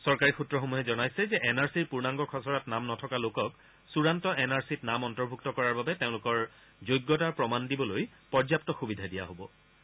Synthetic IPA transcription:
sɔɹkaɹixutɹɔxomuɦɛzɔnajsɛzɛʔɛnaɹsiɹpuɹnaŋɡɔkʰɔsɔɹatnamnɔtʰɔkalokɔk | suɹantɔʔɛnaɹsitnamɔntɔɹbʱuktɔkɔɹaɹbabɛteʊ̃lʊkɔɹ | zojɡːɔtaɹpɹɔmandibɔloj | pɔɹzjap̚tɔxubidʱadija̰ɦobɔ

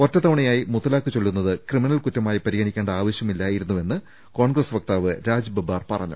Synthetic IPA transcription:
o̞tːɐt̪ɐʋɐɳɐjaːjimuðɐlaːkːɨt͡ɕelːunːɐðɨkrɨminɐlkutːɐmaːjipɐɾiɡɐɳikʲːeːɳɖɐaːʋɐɕjɐmilːaːjiɾunːue̞nːɨ | ko̞ːɳɡrɐsʋɐk̚t̪aːʋɨɾaːd͡ʑbɐbaːrpɐrɐ̰ɲːṵ

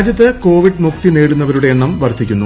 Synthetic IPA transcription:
d͡ʑjɐt̪ːɨko̞ːʋiɖmukt̪ineːɽunːɐʋɐɾuɽe̞eɳːɐmʋɐrd̪ʱikʲːunːu

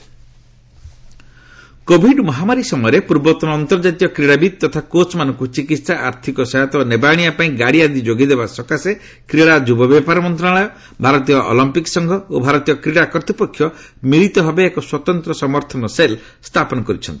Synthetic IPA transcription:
kobʱiɖmɔɦamaɾisɔmɔjɔɾepuɾbɔt̪ɔnɔːnt̪ɔɾd͡ʒat̪ijɔkɾiɽabid̪̚t̪ɔt̪ʰakot͡ʃmanɔŋkut͡ʃikit̪saʔaɾt̪ʰikɔsajat̪ɔnebaɽ̃ijapaĩɡaɽiad̪id͡ʒoɡid̪ebasɔkase | kɾiɭad͡ʒubɔbapaɾɔmɔnt̪ɾaɭɔjɔ | bʱaɾɔt̪ijɔʔɔ̰lɔmpiksɔŋɡʱɔobʱaɾɔt̪ijɔkɾiɽakɔɾt̪ipɔkʰːjɔ | miɭit̪ɔbʱɔbeːkɔswɔt̪ɔnt̪ɾɔsɔmɔɾt̪ʰɔnɔsel | st̪ʰapɔnɔkɔɾit͡ʃʰɔnt̪i̥

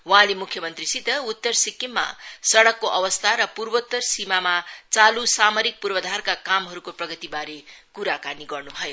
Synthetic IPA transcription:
wʌ̃ɦãlemukʰːjʌmʌnt̪risit̪ʌut̪ːʌrsikːimːa̰sʌɽʌkːoʔʌbʌst̪ʰaɾʌpurbot̪ːʌrsimamat͡salusamʌɾik̚purbʌd̪ʱarkakamɦʌɾukoprʌɡʌt̪ibaɾekuɾakaniɡʌrnubʱʌjo

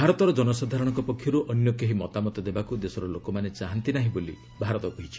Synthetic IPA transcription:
bʱaɾɔt̪ɔɾɔd͡ʒɔnɔsad̪ʱaɾɔɽ̃ɔŋkɔpɔkʰjɔɾuʔɔnjɔkeɦimɔt̪amɔt̪ɔd̪ebakud̪esɔɾɔlokɔmanet͡ʃaɦant̪inaɦĩbolḭ | bʱaɾɔt̪ɔkɔɦit͡ʃʰi̥

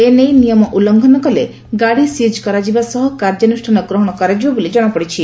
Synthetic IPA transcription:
enejnijɔmɔʔulɔŋɡʱɔnɔkɔle | ɡaɽisid͡ʒkɔɾad͡ʒibasɔɦɔkaɾd͡ʒɔnusʈʰanɔɡɾɔɦɔɽ̃ɔkɔɾad͡ʒibɔbolid͡ʒɔɽ̃ɔpɔɽit͡ʃʰi

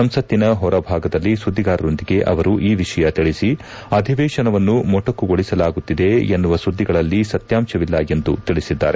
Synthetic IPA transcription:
sɐmsɐt̪ːinɐɦɔɾɐbʱaːɡɐd̪ɐlːisud̪ːiɡaːɾɐɾo̞nd̪iɡe̞ʔɐ̰ʋɐɾuʔiːʋiʂɐjɐt̪iɭisi | ɐd̪ʱiʋɛːʃɐnɐʋɐnːumɔʈːɐkːuɡoɭisɐlaːɡut̪ːid̪e̞enːuʋɐsud̪ːiɡɐɭɐlːisɐt̪jaːmʃɐʋilːɐe̞nd̪ut̪iɭisid̪ːa̰ːɾe

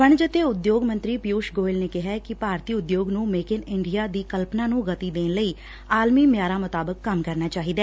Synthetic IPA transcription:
pəɳd͡ʒət̪eːʊd̪joːɡmə̃nt̪ɾiːpɪjuːʃɡoːɪlneːkɪɦɛːkɪpaːɾt̪iːʊd̪joːɡnũːmeːkɪnɪɳɖijaːd̪iːkəlpnaːnũːɡət̪iːd̪eːnləiː | aːlmiːmjaːɾaːmət̪aːbəkːəmkəɾnaːt͡ʃaːɦiːd̪ɛː

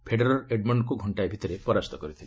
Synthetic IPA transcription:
pʰeɖeɾɔɾeɖmɔɳɖkuɡʱɔɳʈajbʱit̪ɔɾepɔɾast̪ɔkɔɾit̪ʰile

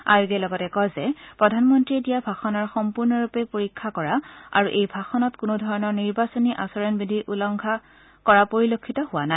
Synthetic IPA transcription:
a̰juɡɛlɔɡɔtɛkɔjzɛpɹɔdʱanmɔntɹiedijabʱaxɔnɔɹxɔmpuɹnɔɹupɛpoɹikʰːakɔɹaa̰ɹuʔejbʱaxɔnɔtkunudʱɔɹɔnɔɹniɹbasɔniʔasɔɹɔnbidʱiʔulɔŋɡʱa | kɔɹapoɹilokʰːitɔhʊwanaɪ

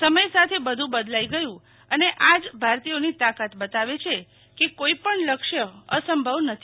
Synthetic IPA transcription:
səməjsat̪ʰebəd̪ʱũbəd̪laiɡəjũ | əneʔad͡ʒbʱaɾt̪ionit̪akat̪bət̪aʋet͡ʃʰe | kekoipəɳləkʃjəəsəmbʱəʋnət̪ʰi

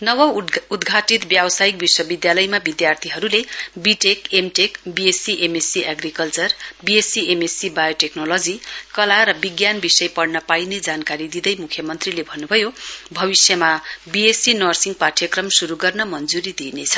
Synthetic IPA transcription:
nʌwʌud̪ɡʱaʈit̪bjabʌsaik̚biswʌbid̪jalʌjmabid̪jart̪ʰiɦʌɾulebiʈekemʈekbiesiʔemesiʔaɡrikʌlt͡sʌrbiesiemesibajoʈeknolod͡zikʌlaɾʌbiɡjanbisʌjpʌɽnʌpajned͡zankaɾid̪id̪ʌjmukʰjʌmʌnt̪rilebʱʌnːubʱʌjobʱʌbisjʌmabiesinʌrsiŋɡpaʈʰjʌkrʌmsuɾuɡʌrnʌmʌnd͡zuɾid̪inet͡sʰʌ̥

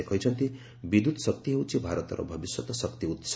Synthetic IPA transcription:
ekʰʌjt͡sʰʌnt̪i | bid̪ʱut̪sʌk̚t̪iɦew̃t͡sĩbʱaɾʌt̪ʌɾʌ̰bʱʌbiswʌt̪ʌsʌkt̪iut̪s

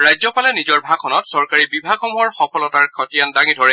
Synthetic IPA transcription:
ɹajzɔpalɛnizɔɹbʱakʰɔnɔtsɔɹkaɹibibʱakɔmuɦɔɹxɔpʰɔlɔtaɹkʰɔtijandaŋidʱɔɹɛ

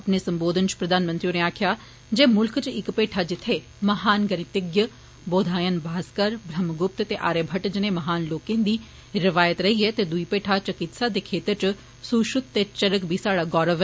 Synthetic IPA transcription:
ɐpneːsɐmboːd̪ʱənt͡ʃpɾəd̪aːnmənt̪ɾijoneːaːkʰjaː | d͡ʒeːmʊlkt͡ʃɪkpeːʈʰaːd͡ʒɪt̪ʰːeː | mɐɦaːnɡənɪt̪ɪɡjə | boːd̪ʱaːjənbʱaːskəɾbʱɾəmɡʊp̚t̪t̪eːʔaːɾeːbʱəʈd͡ʒɪneːmɐɦaːnloːkẽːnd̪iː | ɾɪʋaːjət̪ɾəɦiɛt̪eːd̪uipeːʈʰaːt͡ʃɐkɪt̪saːd̪eːkʰeːt̪əɾt͡ʃ | suːʃʊt̪t̪eːt͡ʃəɾəkbʱiːsaːɽaːɡɔːɾəʋ

